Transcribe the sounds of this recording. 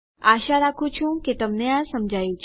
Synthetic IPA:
aʃaɾakʰũt͡ʃʰũket̪əmneãsəmd͡ʒʱajũt͡ʃʰ

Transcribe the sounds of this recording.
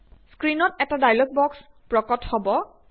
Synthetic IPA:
skɹinɔtɛtadajlɔɡ̚bɔks | pɹɔkɔthɔbɔ

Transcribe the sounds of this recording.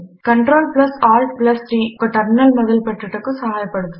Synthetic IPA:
kɐɳʈɾoːlplɐsaːɾʈ̚plɐst̪ɾiːkɔʈːɐɾnɐlmɔðɐlpɐʈrɯʈːɯkːɯsɐɦaːjɐpːɐɽɯðɯ

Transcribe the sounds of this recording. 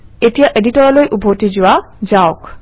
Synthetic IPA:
etijaʔeditɔɹɔlojʔubʱotizʊwa | zaʊk

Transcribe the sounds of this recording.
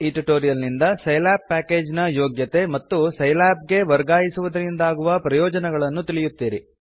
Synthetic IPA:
iʈiʈoːɾijɐlnind̪ɐsɐjlaːpːaːke̞ːd͡ʒnɐjoːɡjɐt̪e̞mɐt̪ːusɐjlaːp̚ɡe̞ʋɐɾɡaːjisuʋɐd̪ɐɾind̪aːɡuʋɐpɾɐjɔːd͡ʒɐnɛɡɐɭɐnːut̪ilijut̪ːiːɾi

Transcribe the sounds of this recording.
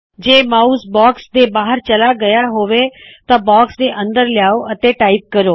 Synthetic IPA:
d͡ʑeːmaːusbɔːksd̪ebaːɦəɾt͡ɕɐlaɡɐjaɦoʋet̪ɐbɔːksd̪eʔɐ̃nd̪əɾljaːoʔɐt̪eʈaːɪp̚kɐɾoː

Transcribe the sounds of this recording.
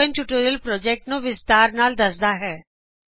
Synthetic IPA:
ə̃nʈuʈoːɾəlpɾɔːd͡ʒɛːk̚ʈnũːʋɪst̪aːɾnaːld̪əsd̪aːɦɛː

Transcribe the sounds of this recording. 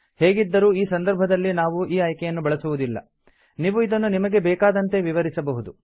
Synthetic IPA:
heːɡid̪ːɐɾuːiːsɐnd̪ɐɾbʱɐd̪ɐlːinaːʋuiːaːjkɛjɐnːubɐɭɐsuʋud̪ilːɐ̰ | niːʋuid̪ɐnːunimɐɡe̞bɛːkaːd̪ɐnt̪e̞ʋiʋɐɾisɐbɐɦud̪u

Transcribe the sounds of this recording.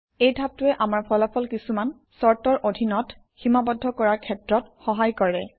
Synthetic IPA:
ejdʱab̚tʊɛʔamaɹpʰɔlapʰɔlkisuman | sɔɹtɔɹʔodʱinɔt | ximabɔdʱːɔkɔɹaɹkʰɛtɹɔtxɔɦajkɔɹɛ

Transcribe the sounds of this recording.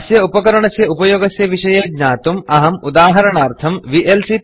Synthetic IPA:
sjɐupɐkɐɾɐɳɐsjɐupɐjoːɡɐsjɐʋiʂɐjeːɡɲaːt̪umɐɦɐmud̪aːɦɐɾɐɳaːɾt̪ʰɐmʋiʔelsi

